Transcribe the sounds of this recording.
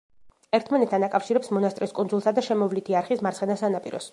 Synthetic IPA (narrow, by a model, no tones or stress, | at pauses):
ɛɾt̪ʰmanɛt̪t̪ʰanakʼafʃiɾɛpsmɔnast̪ʼɾiskʼund̪zulˠsad̪aʃɛmɔvlit̪ʰiaɾχismaɾt̪sχɛnasanapʼḭɾɔ̰s